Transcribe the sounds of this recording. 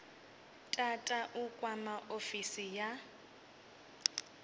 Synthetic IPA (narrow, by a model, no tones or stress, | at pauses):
tʼatʼaʔukʼwamaʔofisija